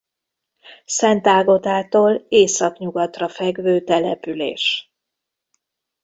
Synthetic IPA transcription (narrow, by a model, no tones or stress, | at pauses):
sɛnt̪aːɡo̞t̪aːt̪oːleːsɒkɲuɡɒt̪rɒfɛɡvøːt̪ɛlɛpylḛːʃ